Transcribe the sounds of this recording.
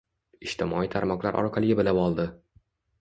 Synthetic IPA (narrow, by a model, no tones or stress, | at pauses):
ɪʃt̪ʰɪmɒit̪ʰaɾmɒqlˠaɾʔɒ̰ɾqʰɑlɪɡʲabɪlapɒlˠd̪ɪ